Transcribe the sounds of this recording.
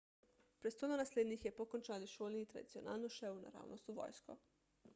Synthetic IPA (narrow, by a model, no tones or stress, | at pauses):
pɾest̪od̪onaslʲeːd̪nixjepokont͡ʃaliʃoːlˠniːt̪ɾa̰d̪it̪sio̞na̰ːlnuʃeuna̰ɾa̰ːwnʔost̪uʋo̰jsko̰